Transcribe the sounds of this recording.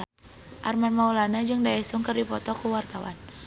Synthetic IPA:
ʔarmanmaulanad͡ʒɨŋdaɛsuŋkərdipɔt̪ɔkuwart̪awa̰n

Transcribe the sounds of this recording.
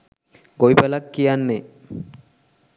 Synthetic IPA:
ɡojpelakːijanːe

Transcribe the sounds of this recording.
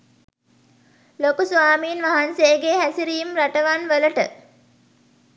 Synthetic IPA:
lokusʋaːmiːnʋaɦanseːɡeɦæsiɾijumraʈəʋanʋələʈə

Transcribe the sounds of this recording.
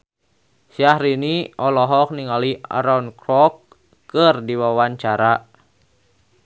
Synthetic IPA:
siahɾiniɔlɔɦɔk̚niŋalia̰ɾaunkɾɔk | kərdiwawaɲt͡ʃaɾa

